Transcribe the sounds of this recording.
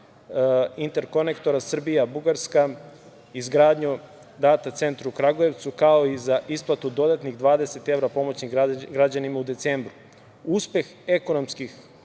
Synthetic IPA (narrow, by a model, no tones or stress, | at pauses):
int̪e̞ɾko̞ne̞kt̪o̞ɾasr̩bijabuɡaɾska | izɡɾaːd̪ɲu | d̪aːt̪at̪se̞nt̪ɾuukɾaɡoje̞ʋt̪sukao̞izaʔisplˠat̪ud̪o̞d̪at̪niɣd̪ʋaːd̪e̞set̪e̞ʋɾapo̞mo̞t͡ɕɲiɡɾad͡ʑanimaud̪e̞t̪seːmbɾu | uspje̞xe̞ko̞no̞mskix